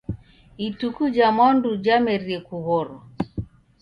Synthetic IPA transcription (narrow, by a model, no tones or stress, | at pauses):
itukud͡ʒamandud͡ʒamɛɾiɛkuɣɔɾɔ